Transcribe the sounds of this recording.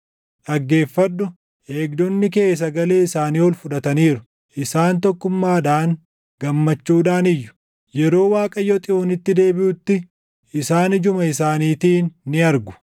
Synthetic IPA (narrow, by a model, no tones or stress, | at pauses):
ᶑɐɡːe̞ːfːɐdːʊ | ʔe̞ːɡd̪ɔnːɪke̞ːs̬ɐɡɐle̞ːɪsaːniːhɔlfʊᶑɐt̪ɐniːɾʊ | ʔɪsaːnt̪ɔkːʊmːaːᶑaːŋ | ɡ̥ɐmːɐt͡ʃːuːᶑaːnɪjːʊ̥ | jɛɾo̞ːwaːkʼɐjːɔt̪ʼɪoːnɪt̪ːɪd̪e̞ːbɪʔʊt̪ːɪ | ɪsaːnɪd͡ʒʊmɐɪsaːniːt̪iːnːɪɐɾɡʊ̥